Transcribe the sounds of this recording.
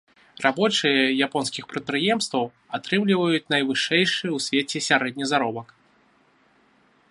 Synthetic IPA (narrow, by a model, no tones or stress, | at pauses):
rabɔt͡ʂɨjɐjapɔnskʲixpɾɐt̪̚pɾɨjɛmst̪vɐw | at̪ɾɨmlʲivɐjut͡sʲnɐjvɨʂɛjʂɨjwsʲvʲet͡sʲɛsʲaɾɛd̪̚ʲnʲizaɾɔbɐk